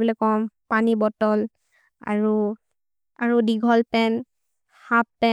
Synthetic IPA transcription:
bɔlɔkɔmpanibɔtɔl | a̰ɹu | aɹudiɡʱɔlpɛn | hapːɛ

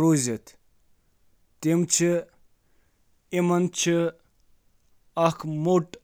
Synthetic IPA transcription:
ɾozet̪ʰ | t̪emt͡ʃʰi | imɐnt͡ʃʰi | ɐkʰmoʈ

